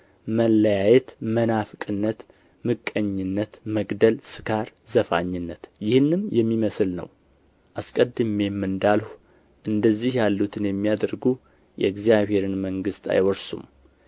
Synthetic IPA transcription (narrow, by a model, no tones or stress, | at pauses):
məlːəjajɛt̪mənafkʼɨnːət̪ | mɨkʼːəɲːɪnːət̪məɡd̪əlsɨkʰaɾzəfa̰ɲːɪnːət̪jɪhɨnːɨnjɛmːiməsɨlnə̰w | ʔaskʼəd̪ːɨme̞mːɨnd̪alhu | ʔɨnd̪əzːihjalːut̪ʰɨnjɛmːijad̪əɾɡu | jɛ̰ɨɡzijaβhe̞ɾɨnməŋɡɨst̪ʰa̰jwɔɾsṵm